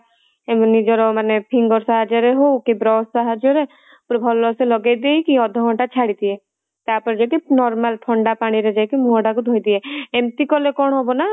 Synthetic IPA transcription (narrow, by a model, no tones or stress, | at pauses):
emnid͡ʒɔɾɔmanepʰĩŋɡɔɾsaɦad͡ʒɔɾeɦoukebɾɔːssaɦad͡ʒɔɾe | pɾɔbʱɔlːɔselɔɡad̪eikiɔd̪ʱːɔɡʱɔ̃ʈat͡ʃʰaɽit̪iɦɛ | t̪aːpɔɾd͡ʒakenɔɾmalpʰɔ̃ɳɖapaɽ̃iɾed͡ʒakemuɦɔɽakud̪ʱojd̪iɦɛemt̪ikɔlekɔɽ̃ɦɔbona